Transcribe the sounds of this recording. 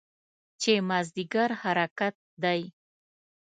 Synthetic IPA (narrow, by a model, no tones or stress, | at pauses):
t͡ʃemazd̪iɡaɾhaɾakat̪̚d̪aj